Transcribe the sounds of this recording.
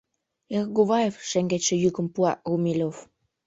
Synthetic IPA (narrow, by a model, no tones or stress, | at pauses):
erɡuβɑjefʃeŋɡet̪ʲʃĕjykə̆mpuɑ̰ɣumʲilʲof